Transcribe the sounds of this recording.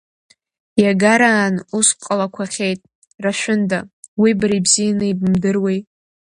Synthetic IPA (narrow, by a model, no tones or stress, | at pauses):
jaɡaɾaːnusqʼalakʷʰaχʲe̞jtʼ | raʃʷᶣʊndawibaɾibzijanɨibmdɨrwejtʼ